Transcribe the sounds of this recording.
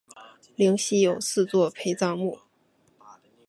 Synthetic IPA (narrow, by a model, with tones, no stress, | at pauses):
li˧˥ŋɕi˥jo˨˩ʊsɹ̩˥˧t͡swɔ˥˩pʰe˧˥ɪt͡sɑ˥˧ʊmu˥˩